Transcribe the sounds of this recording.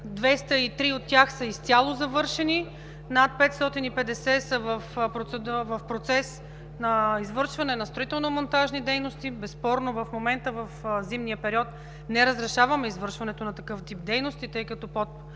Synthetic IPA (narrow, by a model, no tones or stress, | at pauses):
d̪vɛst̪əit̪ɾiot̪ːʲjaxsɐist̪sʲalˠozɐvɤɾʃɛni | nat̪̚pɛt̪st̪ɔt̪inipɛd̪ɛsɛsəvəfpɾot̪sɛd̪uəvɐfpɾot̪sɛs | nɐizvɤɾʃvɐnɛnɐst̪ɾoit̪ɛlˠnomont̪aʒnid̪ɛjnost̪ibɛspɔɾnovɐfmomɛnt̪əvɐfzimnijəpɛɾiɔt̪ | nɛɾəzɾɛʃavɐmɛizvɤɾʃvɐnɛt̪onɐt̪ɐkɤft̪ip̚d̪ɛjnost̪it̪ɤjkɐt̪ɔpot̪